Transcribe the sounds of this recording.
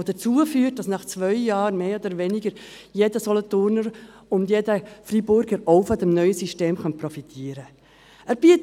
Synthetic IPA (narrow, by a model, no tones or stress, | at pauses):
d̥ət͡suːəfyːt̚d̥ɑsnɑχt͡sʋœʏjɑːɾmeːɔd̥̪əɾʋɛnɪɡəɾ | jeːdəsɔlɔt̪ʊɾnəɾ | ʊndjeːdəfribʊɾɡəɾɔʊfɔd̪ɛmnœʏəsiʃteːmχœnpɾɔfit̪ʰiːəɾə | æɾb̥it